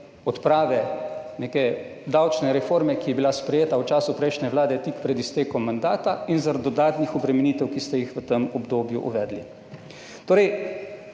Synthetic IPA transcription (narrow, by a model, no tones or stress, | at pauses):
ɔt̪pɾaːʋɛneːkɛ | d̪awt͡ʃnɛɾɛfoːɾmɛkijɛbilaspɾɛjeːt̪awt͡ʃaːsupɾɛjʃnʲɛʋlaːd̪ɛt̪ikpɾɛd̪ist̪eːkɔmːand̪aːt̪ainzaɾad̪ɔd̪aːt̪nixɔbɾɛmɛniːt̪ɛwkist̪ɛjixʋət̪əmɔbd̪oːbjuʔṵʋɛːd̪li | t̪oːɾɛj